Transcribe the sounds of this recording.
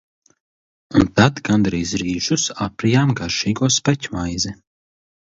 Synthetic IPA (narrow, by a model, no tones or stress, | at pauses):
unt̪ad̪ɡand̪ɾiːzɾiːʒusapɾijaːmɡaɾʃiːɡuɔspɛcʲmajzɛ